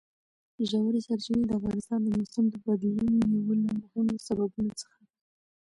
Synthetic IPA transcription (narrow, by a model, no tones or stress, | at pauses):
ʒawaɾisaɾt͡ʃəned̪əafɣɑnɪst̪ɑnd̪əmʊsamd̪əbad̪iwunoniwəlamʊhɪmosababunot͡sə̥xai